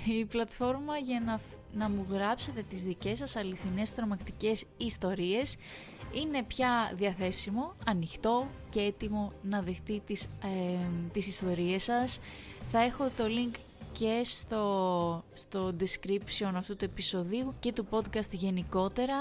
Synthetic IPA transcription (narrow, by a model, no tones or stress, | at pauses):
iplɐt̪fo̞ɾmɐʝɐnɐ | nɐmuɣɾɐpse̞t̪e̞t̪izðice̞sɐsɐliθine̞st̪ɾo̞mɐkt̪ice̞sist̪o̞ɾie̞s | ine̞pçɐðiɐθe̞simo̞ɐnixt̪o̞ce̞et̪imo̞nɐðe̞xt̪it̪is | t̪isist̪o̞ɾie̞sɐsθɐe̞xo̞t̪o̞liŋk | ce̞st̪o̞st̪o̞d̪iskɾipsio̞nɐft̪ut̪ue̞piso̞ðiuce̞t̪upo̞d̪kɐst̪ʝe̞niko̞t̪e̞ɾɐ